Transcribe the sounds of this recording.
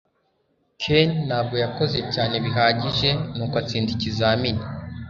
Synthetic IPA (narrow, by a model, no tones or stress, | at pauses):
kʰenːaːb̚ɡo̞jako̞ze̞caːne̞βiɦaːɟiʒe̞nuːkat͡siːndicizaːmini